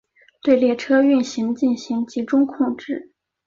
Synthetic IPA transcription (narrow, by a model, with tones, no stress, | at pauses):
t̪we˥˧ɪljɛ˥˩ʈ͡ʂʰɤ˥y˥˩nɕi˧˥ŋt͡ɕi˥˩nɕi˧˥ŋt͡ɕi˧˥ʈ͡ʂʊ˥ŋkʰʊ˥˧ŋʈ͡ʂɻ̩˥˩